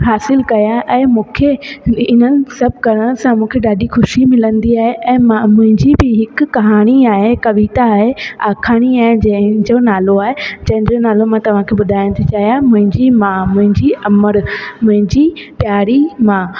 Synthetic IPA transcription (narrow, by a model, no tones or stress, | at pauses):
ɦaːsɪlkɐjaʔɛ̃ːmũːkʰeɪn̤ənɪ̆sɐbʱɡʱɐɾəɽ̃sãmũːkʰeɗaːɗixʊʃimɪlə̃nd̪iaːɦeʔɛ̃ːmmʊ̃ɦɪ̃ɲd͡ʑibɪɦɪkːɐɦaːɽ̃iaːɦekɐʋiːt̪aːɦeaːkʰaːɽ̃iaːɦed͡ʑɐ̃ɦɪ̃d͡ʑonaːloaːɦed͡ʑɐ̃ɦɪ̃nd͡ʑonaːlomãt̪ɐʋ̤ãkʰebʊd̪ʱaːjñt̪ʰit͡ɕaːɦijamʊ̃ɦɪ̃ɲd͡ʑimãmʊ̃ɦɪ̃ɲd͡ʑiʔɐməɾmʊ̃ɦɪ̃ɲd͡ʑi | pjaːɾimã